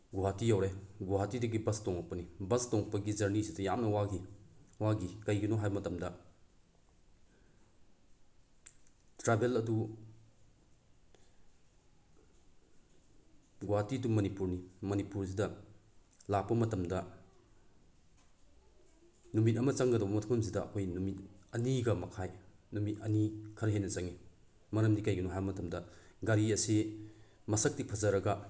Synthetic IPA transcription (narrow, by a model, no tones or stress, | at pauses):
ɡuɦatijawɾeɡuɦatidɐɡibɐstoŋɐk̚pɐnibɐstoŋɐk̚pɐɡizɐɾnisidɐjamnɐwaɡiwaɡikɐjɡɐnɔɦajbmɐtɐmdɐ | tɾabelɐdu | ɡuɦatidumɐnipuɾnimɐnipuɾsidɐ | lapːɐmɐtɐmdɐ | numit̬̚ɐmɐt͡ʃɐŋɡɐdɐbɐmɐtʰɐmɐmsidɐːkʰojnumit̚ɐniɡɐmɐkʰajnumit̚ɐ̰nikʰɐɾɐɦenːɐt͡ʃɐŋi | mɐɾɐmdikajɡɐnuɦabɐmɐtɐmdɐɡaɾiɐsi | mɐsɐk̚tipʰɐzɐɾɐɡɐ